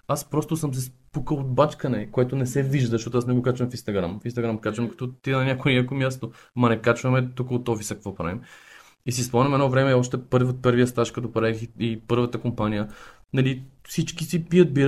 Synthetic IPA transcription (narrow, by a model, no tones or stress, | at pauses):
aspɾɔst̪ʊsəms̬ɛspukəlˠod̪̚bat͡ʃkɐnɛkoɛt̪ʊnɛsɛviʒd̪əzʃt̪ɔt̪ʊasnɛɡokat͡ʃvɐmfinst̪ɐɡɾamfinst̪ɐɡɾamkat͡ʃvɐmkɐ̥t̪ɔt̪inɐnʲakʊɛnʲakomʲjast̪o | mɐnɛkat͡ʃvɐmɛt̪ukəot̪ɔfisəkɐkvɔpɾa̰vim | isispɔanʲɐmɛd̪nɔvɾɛmɛɔʃt̪ɛpɤɾvot̪̚pɤɾvijəst̪aʃkɐt̪opɾaixipɤɾvət̪əkompanijə | nɐlifsit͡ʃkisipijət̪̚biɾ